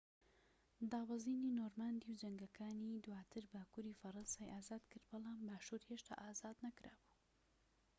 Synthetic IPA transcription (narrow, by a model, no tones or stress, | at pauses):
d̪aːwɑziːniːnoːɾmand̪iwd͡ʒɐŋɡɐkʰaːnid̪waːt̪ʰɨɾbaːkuːɾiːfɐɾɐnsaːjʔaːzaːd̪kɨɾd̪̚bɑlˠɑːmbaːʃuːɾheːʃt̪ʰa̰ːʔaːzaːd̪nɐkɾaːbuː